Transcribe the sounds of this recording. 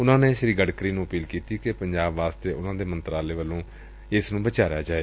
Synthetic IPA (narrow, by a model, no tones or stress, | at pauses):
ʊnãːneːʃəɾiːɡəɖkɾiːnũːəpiːlkiːt̪iːkepəɲd͡ʒaːbʋaːst̪eːʔʊnãːd̪eːmənt̪ɾaːleːʋəlːõː | ɪsnũːbət͡ʃaːɾjaːd͡ʒaːeː